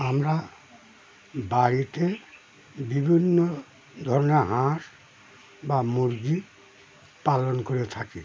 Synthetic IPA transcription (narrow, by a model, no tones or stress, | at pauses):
amɾa | baɾit̪e | bibʱinːo | d̪ʱɔɾoneɦãʃ | bamuɾɡi | palonkoɾet̪ʰaki